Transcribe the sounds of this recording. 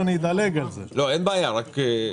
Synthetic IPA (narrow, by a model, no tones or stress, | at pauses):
anid̪aleɡalzḛloɛnbajaɾak